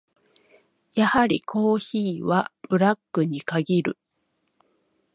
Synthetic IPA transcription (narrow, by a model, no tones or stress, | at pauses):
jahaɾʲikʰo̞ːçiːβab̥ɯ̟ɾakːɯ̟ɲ̟ikaɡʲiɾɯ̟̰